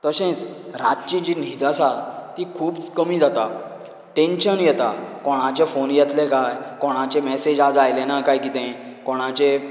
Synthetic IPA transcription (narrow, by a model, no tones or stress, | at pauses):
t̪əɕẽt͡sɾat̪t͡ɕid͡ʑinid̪asat̪ikʰuːbt͡skəmiːd͡zʱat̪a | ʈẽnɕənjɛt̪akɔɽ̃ãt͡ɕẽfonjɛt̪lekajkɔɽ̃ãt͡ɕemɛsed͡ʑad͡zajlenakajkit̪ɛ̃kɔɽ̃ãt͡ɕe